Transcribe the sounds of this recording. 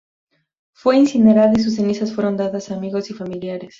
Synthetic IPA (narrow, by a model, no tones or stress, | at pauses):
fwe̞insine̞ɾaðis̬us̬enisasfwe̞ɾo̞nd̪aðasaːmiɣo̞sifamiljaɾe̞s